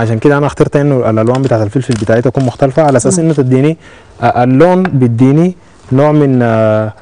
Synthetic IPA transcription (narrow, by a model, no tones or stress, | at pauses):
ʕaʃaːnkid̪æʔanæʔaxt̪ɑɾt̪ʔinːualʔalwaːmbet̪aːʕt̪alfilfilbit̪aːʕiːt̪ːakuːnmʊxt̪alfaʕalaʔasaːsʔinːut̪ad̪ːiːni | ʔaʔalːoːnbid̪ːiːni | noːʕmin